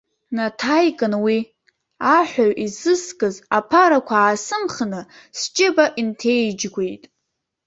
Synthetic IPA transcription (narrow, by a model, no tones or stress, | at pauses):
natʰajkʼɨnwi | aħʷᶣaɥʔizɨskʼɨzapʰaɾakʷʰaːsɨmχnɨ | st͡ʃʼɪbaʔintʰe̞jd͡ʒɡʷe̞jtʼ